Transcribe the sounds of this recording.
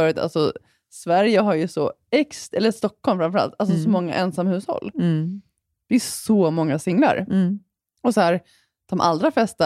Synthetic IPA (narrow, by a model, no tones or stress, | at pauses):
œːɾət̪ʰa̰lsɔ | svæɾjəɦaɾjɵsɔɛksɛlːəʂt̪ɔkʰːɔlmfɾamfœɾa̰lt̪als̬ɔsɔmɔŋːa̰ʔɛnsamːahʉ̟ːshɔ̰lː | d̪̥ɛsɔmɔŋːasɪŋːla̰ɾ | ɔsɔhæːɾ | d̪̥ɔmʔa̰ld̪ɾaflɛst̪a